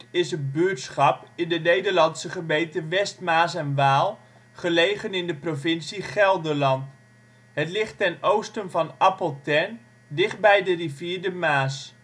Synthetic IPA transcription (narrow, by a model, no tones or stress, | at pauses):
ɪsətbytsχɑpɪndənejdəɹlɑnsəχəbejtəʋɛstmaːsɛnʋaːlˠ | χəlejχənɪndəprovɪnsiχɛlˠdəlɑnt | ɦətlɪχtːɛnowstənvɑnɑpəlˠtɛn | dɪχt̚bɛjdəriviːɹdəmaːs